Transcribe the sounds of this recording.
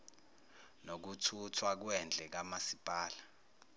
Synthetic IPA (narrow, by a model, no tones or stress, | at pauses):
nok̬utʰutʰwak̬wɛnd͡ɮʱɛk̬amasipʼaːla